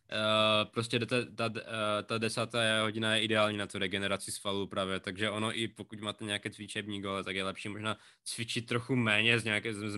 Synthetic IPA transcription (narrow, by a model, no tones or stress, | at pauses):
pɾoscɛdt̪ɛt̪at̪adɛsaːt̪aːɦoɟɪnajɛʔɪdɛaːlɲiːnat̪uɾɛɡɛnɛɾat͡sɪsfalupɾaːvjɛt̪aɡʒɛʔo̞no̞ʔɪpo̞kucmaːt̪ɛɲɛakɛːt͡svɪt͡ʃɛbɲiːɡolɛt̪aɡjɛlɛpʃiːmo̞ʒnaː | t͡svɪt͡ʃɪt̪̚t̪ːɾoxumɛːɲɛzɲɛakɛzz